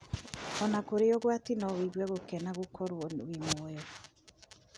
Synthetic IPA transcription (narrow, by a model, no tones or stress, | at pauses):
ɔnakoɾeɔɣwatinɔwiɣwɛɣokɛnaɣokʰɔɾwɔwimoɔjɔ